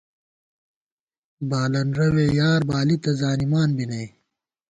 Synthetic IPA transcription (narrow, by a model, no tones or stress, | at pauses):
baːlɐnɾɐwejaːɾbaːlit̪ɐzaːnimaːnbinɐj